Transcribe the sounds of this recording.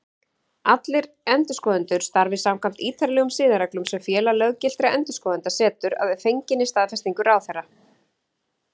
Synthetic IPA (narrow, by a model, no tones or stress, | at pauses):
at̪lɪɾ | ɛnt̪ʏskɔːðʏnt̪ʏɾ̥st̪aɾvɪsaːmkʰvam̥t̪iːt̪ʰaɾlɛːɣʏmsɪːðaɾɛklʏmsɛmfjɛːlalœɣcɪl̥t̪ɾaʔɛnt̪ʏ̥skɔːðʏnt̪asɛːt̪ʏɾa̰ðɛ̥fejɲcɪnːɪst̪aːðfɛst̪iŋkʏɾaːwθɛrːa